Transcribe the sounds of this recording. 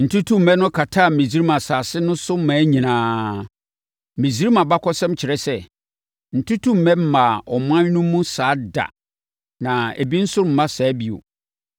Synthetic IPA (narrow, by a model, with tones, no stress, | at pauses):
n̩˨tʰu˦tʰũ˦m̩˨mɛ̃˦nʊ̃˦kʰa˨tʰa˦˨mĩ˨zi˦ɾi˦mã˨saː˨sɪ˦nʊ̃˦sʊ˦m̩˦mãː˨˦ɲĩ˨nãː˦ | mĩ˨zi˦ɾi˦mã˨ba˦kʰɔ˦sɛ̃˦mt͡ɕʰɪ˨ɾɛ˦sɛ˦ | n̩˨tʰu˦tʰũ˦m̩˨mɛ̃˦m̩˦mã˨ɔ˨m̃˦ã˦nũ˦mũ˦saː˨˦da̰˨ | nã˨ḛ˨bi˦n̩˦sʊ˦ɾm̩˨mã˦sa˨˦bi˨o̰˨